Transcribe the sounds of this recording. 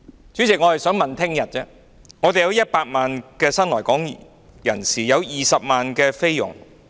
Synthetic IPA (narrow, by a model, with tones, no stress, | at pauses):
t͡sy˨˥t͡sɪ˨k̚ŋɔː˨˧hɐ˨jsœː˨˥ŋmɐ˨nt̪ʰɪ˥ŋjɐ˨t̚t͡sɛː˥ | ŋɔː˨˧t̪e˨jɐ˨˧wjɐ˥t̚paː˧t̚maː˨nkɛː˧sɐ˥nlɔː˨˩jkɔː˨˥ŋ | jɐ˨˩nsiː˨˩jɐ˨˧wjiː˨˩sɐ˨p̚maː˨nkɛː˧fe˥jjʊ̰˨˩ŋ